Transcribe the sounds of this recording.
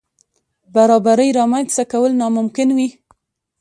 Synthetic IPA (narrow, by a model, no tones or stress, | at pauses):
baɾɑbaɾəjɾɑmanst̪akawəlnɑmʊmkɪnwi